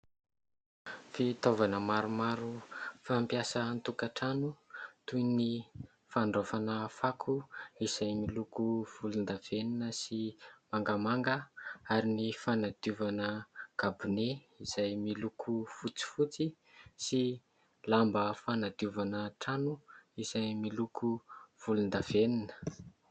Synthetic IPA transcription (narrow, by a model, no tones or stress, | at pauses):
fit̪ovanəmaɾumaɾufampiasənt̪ukaʈ͡ʂanut̪ujni | faɳɖ͡ʐofanəfakʰuiz̥ajmilukuv̥ulund̪av̥eninəsimaŋɡamaŋɡəaɾinifanad̪iuvanəɡ̥abune | iz̥ajmilukʰufut͡si̥fut͡si | si | lambəfanad̪iuvanəʈ͡ʂanuiz̥ajmilukʰuv̥ulund̪av̥eninə̥